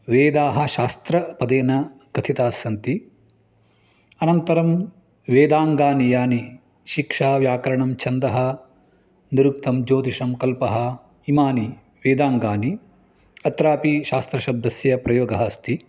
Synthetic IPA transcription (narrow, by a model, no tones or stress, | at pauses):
ʋeːd̪aːɦɐ̆ʃaːst̪ɾɐpɐd̪eːnɐɡɐt̪ʰit̪aːsɐnt̪i | ɐnɐnt̪ɐɾɐm | ʋeːd̪aːŋɡaːnijaːni | ʃikʂaːʋjaːkɐɾɐɳɐmt͡ʃʰɐnd̪ɐɦɐ̆ | niɾuk̚t̪ɐmd͡ʒoːt̪iʂɐmkɐlpɐɦɐ̆ | imaːni | ʋeːd̪aːŋɡaːni | ɐt̪ɾaːpiʃaːst̪ɾɐʃɐb̚d̪ɐsjɐpɾɐjoːɡɐɦɐst̪ʰi